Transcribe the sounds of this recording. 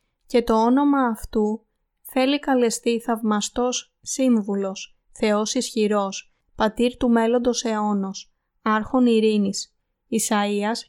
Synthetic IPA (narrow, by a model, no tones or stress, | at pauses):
ce̞t̪o̞o̞no̞mɐːft̪u | θe̞likɐle̞st̪iθɐvmɐst̪o̞sː | iɱvulo̞s | θe̞o̞sisçiɾo̞s | pɐt̪iɾt̪ume̞lo̞nd̪o̞se̞o̞no̞s | ɐɾxo̞niɾinis | isɐiɐs